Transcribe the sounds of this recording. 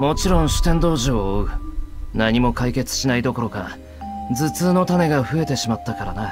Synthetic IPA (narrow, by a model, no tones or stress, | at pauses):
mo̞t͡ɕiɾõ̞ɰ̃ɕɨ̥t̪ẽ̞nd̪o̞ːʑiooɯ̟naɲ̟imo̞kaike̞t͡sɨ̥ɕinaid̪o̞ko̞ɾo̞ka | d͡zɨt͡sɨːno̞t̪ane̞ɡaɸɯ̟e̞t̪e̞ɕimat̪ːakaɾana